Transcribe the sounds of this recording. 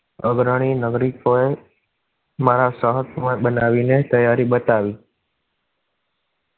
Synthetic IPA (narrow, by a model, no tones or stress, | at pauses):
əɡɾəɽ̃inəɡɾikoe | maɾasəɦət̪mãɓənaʋinet̪əjaɾiɓət̪aʋi